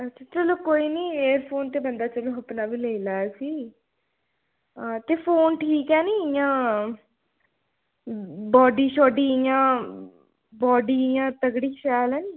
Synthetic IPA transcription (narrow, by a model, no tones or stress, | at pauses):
ətːʃʰaːt͡ʃəloːkoːiːniːeːɾpʰoːnt̪eːbənd̪aːt͡ʃəloːɦəpnaːbiːləilaːɛːsiː | t̪eːpʰoːnʈʰiːkɛːniːɪjãː | bɔːɖiːʃɔːɖiːɪjãː | bɔːɖiːɪjãːt̪əɡɽiːʃɛːlɛːniː